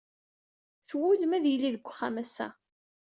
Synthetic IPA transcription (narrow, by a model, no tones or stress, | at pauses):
θwʊləmæðjəlːiðəɡʷχːamæsæ̰